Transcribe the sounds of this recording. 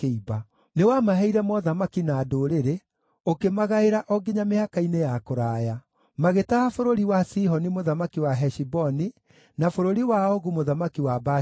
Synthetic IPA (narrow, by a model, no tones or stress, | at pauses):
eiba | newamaɦɛiɾɛmɔðamakinaːdoɾeɾe | okemaɣaeɾaʔɔɡeɲamehakainejakoɾaja | maɣetahafoɾoɾiwasiɦɔnimoðamakiwaɦɛʃibɔni | nafoɾoɾiwaɔɣumoðamakiwaba